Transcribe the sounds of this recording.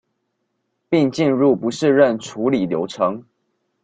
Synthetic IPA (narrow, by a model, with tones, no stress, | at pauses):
pi˥˧ŋt͡ɕi˥˧nɻu˥˩pu˨˦ʂɻ̩˥˧ɻə˥˩nʈ͡ʂʰu˧˥li˨˩ljo˧˥ʊʈ͡ʂʰɤ˧˥˦ŋ